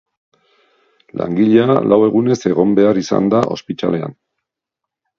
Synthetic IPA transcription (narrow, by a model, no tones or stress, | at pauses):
la̰ŋɡiʎealʔawe̞ɣune̞se̞ɣo̞mbe̞arisa̰nd̪aʔo̞̰spit̪ale̞a̰n